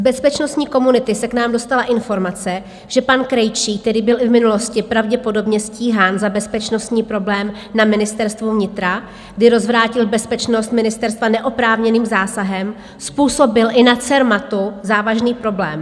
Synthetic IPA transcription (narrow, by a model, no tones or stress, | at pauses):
zbɛspɛt͡ʃnost̪ɲiːko̞munɪt̪ɪsɛknaːmdo̞st̪alaʔɪnfo̞ɾmat͡sɛ | ʒ̥ɛpankɾɛjt͡ʃiːk̚t̪ɛɾiːbɪlʔɪvmɪnulo̞scɪpɾavɟɛpo̞do̞bɲɛsciːɦaːnzabɛspɛt͡ʃno̞st̪ɲiːpɾo̞blɛːm | namɪnɪst̪ɛɾst̪vovɲɪt̪ɾa | ɡdɪɾo̞zvɾaːcɪlbɛspɛt͡ʃno̞st̪mɪnɪst̪ɛɾst̪vanɛʔo̞pɾaːvɲɛniːmzaːsaɦɛm | spuːso̞bɪlʔɪnat͡sɛɾmat̪uzaːvaʒniːpɾo̞blɛːm